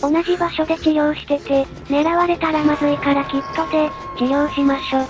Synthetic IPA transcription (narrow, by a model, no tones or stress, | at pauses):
o̞naʑibaɕo̞d̪e̞d͡ʑijo̞ːɕi̥t̪e̞t̪e̞ | ne̞ɾaβaɾe̞t̪aɾamazɨikaɾakʲit̪ːo̞d̪e̞d͡ʑijo̞ːɕimaɕo̞ː